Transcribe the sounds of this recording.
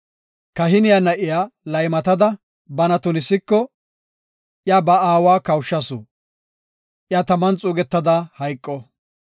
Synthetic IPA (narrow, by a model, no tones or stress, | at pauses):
kɐɦɪnɪjanɐʔɪjaːlɐjmɐt̪ɐd̪ɐ | bɐnɐt̪ʊnɪsːɪkːɔ | ʔjaːbɐaːwaːkɐwʃːɐsʊ | ʔɪjaːt̪ɐmːɐnt͡sʼuːɡɛt̪ːɐd̪ahɐjkʼːɔ